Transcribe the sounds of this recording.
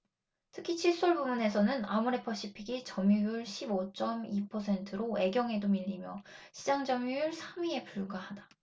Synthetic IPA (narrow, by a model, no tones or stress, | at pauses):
tʰɯ̥kʰit͡ɕʰiɭs͈ʌɭbumune̞sʰʌnɯnamuɾe̞pʰʌɕ͈ipʰiɡit͡ɕʌmjujuɭɕʰibot͡ɕ͈ʌmipʰʌsʰe̞ntʰɯɾoe̞ɡjʌŋe̞domiʎːimjʌɕʰid͡ʑaŋd͡ʑʌmjujuɭsʰamɥie̞puɭɡahada